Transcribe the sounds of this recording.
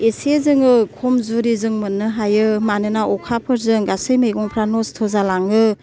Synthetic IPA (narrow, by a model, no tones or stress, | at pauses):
esezɯŋɯkʰɔmzuɾizɯŋmɯnːɯɦajɯmanɯnaʔɔkʰapʰɯɾzɯŋɡasɯjmejɡɔŋpʰɾanɔstʰɔzalaŋɯ